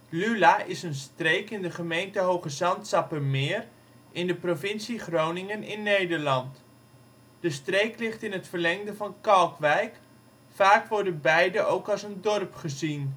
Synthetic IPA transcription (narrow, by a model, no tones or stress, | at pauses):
lylaʔɪsənstrejkɪndəχəmejntəɦowχəzɑntsɑpəmɪːr | ʔɪndəprovɪnsiχrownɪŋənɪnːejdəɹlɑnt | d̥əstrejklɪχtɪnɦətfərlɛŋdəvɑnkɑlˠkʋɛjk | faːkʋɔɹdənbɛjdəʔowkɑlˠsəndɔrpχəzin